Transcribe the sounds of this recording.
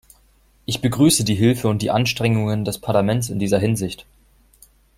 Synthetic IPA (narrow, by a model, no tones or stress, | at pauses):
ʔɪçb̥əɡʁyːsədiːɦɪlfəʊnt̚d̥iːʔanʃtʁ̥ɛŋʊŋəndɛspʰaɐlamɛnt͡sɪndiːzɐɦɪnzɪçt